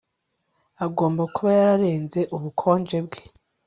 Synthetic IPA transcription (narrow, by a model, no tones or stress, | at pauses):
aɡo̞ːmbakuβajaɾaɾe̞ːnze̞ʔuβukʰo̞ːnd͡ʒe̞bɡe̥